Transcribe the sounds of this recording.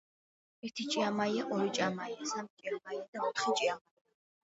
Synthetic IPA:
ɛɾt̪ʰit͡ʃʼiamajɛʔɔɾit͡ʃʼamajɛsamt͡ʃʼiamajɛd̪aut̪χit͡ʃʼiama

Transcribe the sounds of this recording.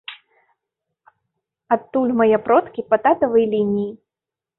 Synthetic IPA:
at̪ːulʲmɐjɛpɾɔt̪kʲipɐt̪at̪ɐvɨjlʲinʲiji

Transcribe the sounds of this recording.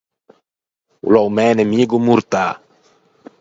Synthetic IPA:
ṵlɔmɛnɛmiɡumuɾt̪a

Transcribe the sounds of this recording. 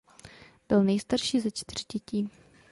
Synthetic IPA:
b̥ɪlnɛjst̪aɾʃiːzat͡ʃt̪ɪr̝̥ɟɛciː

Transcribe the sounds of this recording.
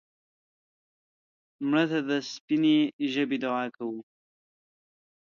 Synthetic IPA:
mɽat̪ad̪əspineʒəbid̪ʊaːkʰawu

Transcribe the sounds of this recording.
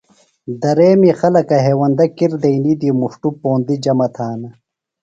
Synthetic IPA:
d̪ɐɾeːmixɐlɐkɐɦeːwɐnd̪ɐkiɾd̪ɐinid̪imuʂʈupoːnd̪id͡ʑɐmɐt̪ʰaːnɐ

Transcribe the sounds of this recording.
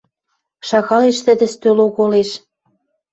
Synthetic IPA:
ʃɑɣɑleʃt̪ɘ̆d̪ɘ̆st̪øloɣoleʃ

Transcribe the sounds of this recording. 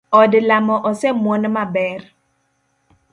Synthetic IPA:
ɔdlamɔʔɔsɛmwonmabɛr

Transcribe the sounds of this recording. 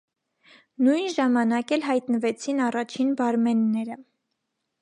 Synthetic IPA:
nujnʒɑmɑnɑkɛlɦɑjt̪nəvɛt͡sʰinɑrɑt͡ʃʰinbɑɾmɛnːɛɾə

